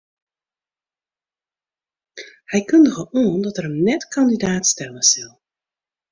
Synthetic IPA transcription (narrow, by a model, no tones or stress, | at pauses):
hɛjkɵndəɣəʔoəndɔtɛrəmnɛtkʰɑndidaːtstɛləsɪlˠ